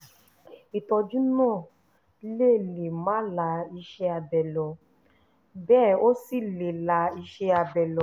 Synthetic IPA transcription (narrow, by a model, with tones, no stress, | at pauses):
i˨tɔ˧d͡ʒu˦nãː˦˨˦ | le˦˨le˨mã˨˦la˧i˧ʃɛ˧a˧bɛ˨lɔ˨˧ | bɛː˦˨o˦si˦˨le˨la˧˦i˧ʃɛ˧a˧bɛ˨lɔ˧˦